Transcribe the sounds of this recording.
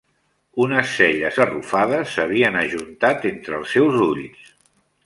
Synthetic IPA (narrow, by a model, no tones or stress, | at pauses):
unəsːɛʎəzərufaðəsːəβ̞iənəʒunt̪at̪ent̪ɾəːlˠsːɛwzuʎs